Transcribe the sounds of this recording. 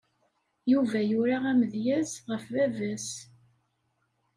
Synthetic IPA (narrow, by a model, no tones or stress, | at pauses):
juvæjʊɾaʁæməðjæsʁəfvævæs